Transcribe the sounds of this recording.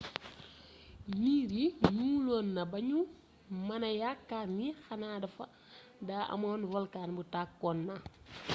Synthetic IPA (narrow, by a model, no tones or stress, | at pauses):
jiːɾiɲuːlɔːnːɐbɐɲu | mɐnɐjakːaːnixɐnaːdɐfɐ̰ | daːʔɐ̰mɐnvɔlkaːnbutakːɔnːa